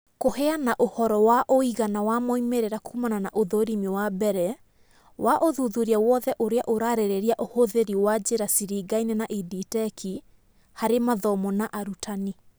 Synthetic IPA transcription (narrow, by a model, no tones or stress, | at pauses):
kohɛanaʔohɔɾɔwaʔoiɣanawamoimeɾeɾakʰumananaʔoðoɾimewabɛɾɛ | waʔoðuðuɾiawɔðɛʔoɾeaʔoɾaɾeɾeɾiaʔohoðeɾiwad͡ʑeɾasiɾiɡainenaʔiditɛkʰi | haɾemaðɔmɔnaʔaɾutʰani